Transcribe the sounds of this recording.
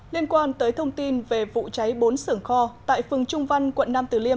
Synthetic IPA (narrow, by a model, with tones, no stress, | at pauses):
li˧ənkwaː˧nt̪əː˨˦jt̪ʰə˧wŋ͡mt̪i˧nve˨˩vṵ˧˨t͡ɕa˨˦jɓo˨˦nsɨ˧˩əŋxɔ˧t̪a̰ː˧˨jfɨ˨˩əŋt͡ɕʊ˧ŋ͡mva˧jnkwə̰˧˨nːaː˧mt̪ɨ˨˩li˧ə